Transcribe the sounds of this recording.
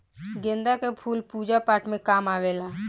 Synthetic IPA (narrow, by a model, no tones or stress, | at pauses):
ɡẽːnd̪akepʰuːlpuːd͡ʒapaːʈʰmẽkaːmaːʋeːlaː